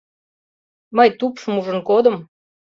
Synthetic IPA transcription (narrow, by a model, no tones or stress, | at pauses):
məjt̪upʃəmuʒə̆nkod̪ə̆m